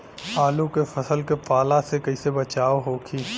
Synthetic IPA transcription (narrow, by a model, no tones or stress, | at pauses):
aːlũkefɐsəlkepaːlasekɐisebɐt͡ʃaːoɦoːkʰiː